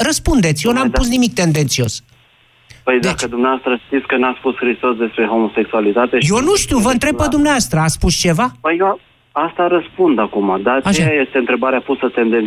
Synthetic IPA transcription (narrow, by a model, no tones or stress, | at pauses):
ɾəspund̪e̞t̪sʲjonampusnimik̚t̪e̞nd̪ent̪sio̞s | pəjzd̪aet͡ʃkəd̪umneast̪ɾəʃt̪it̪sʲkənaspusxɾist̪o̞sd̪e̞spɾe̞ɦo̞mo̞se̞ksualit̪at̪ejo̞nuʃt̪iwvəɨnt̪ɾe̞bpːəd̪umneoast̪ɾəaspust͡ʃe̞vapəje | ast̪aɾəspund̪akumad̪at͡ʃaʃajaje̞st̪eɨnt̪ɾe̞baɾeapusət̪end̪en